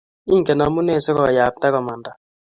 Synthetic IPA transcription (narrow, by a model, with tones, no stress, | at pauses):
i˦ŋ˨kɛ˨na˨˦mu˦ne˦˨sɪ˦kɔ̰˨ja˨p̚ta˦kɔ˨ma˨nda˨